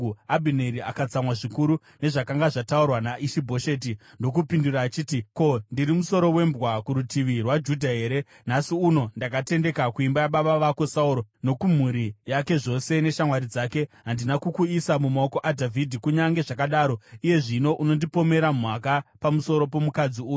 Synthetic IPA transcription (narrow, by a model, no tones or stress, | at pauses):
abʱineɾiakad͡zamwaʐikuɾu | ne̞ʐakaŋɡaʐataurwanaʔiʃibʱo̞ʃe̞ːt̬i | ndo̞kupinduɾaːt͡ʃiːtiko̞ndiɾimuso̞ɾo̞we̞mbɣwakuɾutiʋirwad͡ʒudʱaɦe̞ːɾe̞ | nasiuno̞ndakate̞nde̞kakuimbajaɓaɓaʋako̞sauɾo̞no̞kum̤uɾijake̞ʐo̞se̞ne̞ʃamwaɾid͡zake̞ɦandinakukuisamumao̞ko̞ʔadʱavʱidʱikuɲaŋɡe̞ʐakaɗaːɾo̞ije̞ʐino̞ʔuno̞ndipo̞me̞ɾamwakapamuso̞ɾo̞po̞mukad͡ziuːju